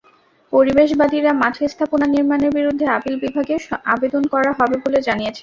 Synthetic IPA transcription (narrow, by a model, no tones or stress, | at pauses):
poɾibeʃbad̪iɾamat̪ʰest̪ʰaponaniɾmaneɾbiɾud̪ʱːeapilbibʱaɡeʃabed̪onkɔɾaɦɔbeboled͡ʑaniet͡ɕʰe